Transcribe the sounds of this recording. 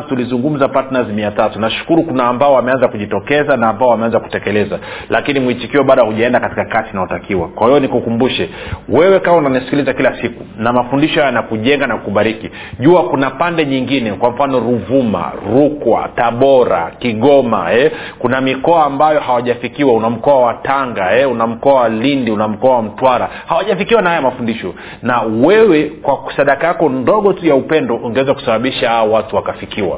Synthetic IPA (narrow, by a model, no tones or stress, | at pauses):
tulizuŋɡum̩zapatnazmiatatunaʃu̥kuɾukunaːmbaɔwamɛanzakuʄitɔkɛzanaːmbaɔwamɛanzaku̥tɛkɛlɛzalakinimwit͡ʃikiwɛɓaːɗahuʄaɛndakati̥kakasinahɔtakiwa̰kwahijɔnikukumbuʃɛwɛwɛkawaunanisi̥kilizakilasikunamafundiʃɔhajanakuʄɛŋɡanakuɓaɾiki | ʄuakunapandɛɲiŋɡinɛkwam̩fanɔɾuvuma̰ɾukwa̰taɓɔɾa̰kiɠɔma̰ɛ | kunamikɔaːmbajɔhawaʄafikiwaunam̩kɔawataŋɡaɛunam̩kɔawalindiunam̩kɔawam̩twaɾa | hawaʄafikiwanahajamafundiʃɔ | nawɛwɛkwasaɗakajakɔndɔɠɔtujaupɛndɔʔuŋɡɛwɛzaku̥saɓaɓiʃahaɔwatuwakafikiwa̰